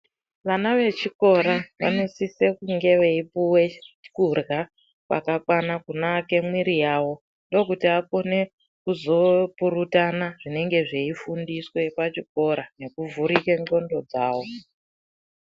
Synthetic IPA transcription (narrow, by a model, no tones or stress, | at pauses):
ʋanaʋe̞t͡ʃiko̞ɾaʋa̰nisise̞kuŋɡe̞ʋeipuwekurɣa | pa̰kakwanakunaːke̞mwiɾijaːwo̞ | ndo̞kutiako̞ne̞ | kuzo̞puɾutanaʐine̞ŋɡe̞ʐe̞ifundiswe̞pat͡ʃik̚o̞ɾane̞kuvuɾikeŋɡo̞ndo̞d͡zaːwo̞